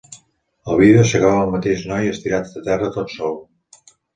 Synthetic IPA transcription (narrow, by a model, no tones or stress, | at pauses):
əlˠβiðeosəɣaβəəlˠmət̪eʃnɔjəst̪iɾat̪d̪ət̪ɛrət̪ot̪sɔlˠ